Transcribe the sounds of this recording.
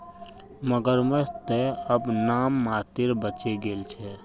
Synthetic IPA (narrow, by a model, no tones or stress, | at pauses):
məɡəɾmət̪eəbnaːmːaːt̪ɪɾbət͡ʃeɡelt͡ʃʰɛ